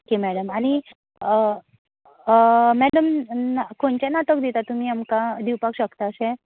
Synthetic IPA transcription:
kemɛɽəmaɽ̃i | mɛɽəmnkoɳt͡ɕanat̪əkd̪it̪at̪um̤iːamkãd̪iwpakɕəkt̪aəɕẽ

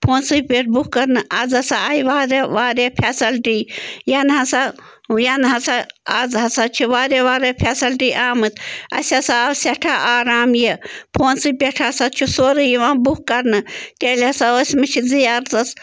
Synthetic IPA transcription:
pʰoːnsɨpʲeʈ̚ʰbukkɐɾnɨʔɐzɐsaɐjiʋaːɾeʋaːɾepʰasɐlʈiːjɐnɦɐsa | jɐnɦɐsaɐzɦɐsat͡ʃʰiʋaːɾeʋaːɾepʰʲesɐlʈiːʔaːmɨt̪ʰɐ̰sʲɐsaːsʲɐʈʰaʔaːɾaːmjepʰoːnsɨpʲeʈʰasat͡ʃʰusoːɾɨjiʋãːbukkːɐɾnɨt̪ʲeːlʲɐsaosʲmɨt͡ʃʰizijaɾt̪ɐs

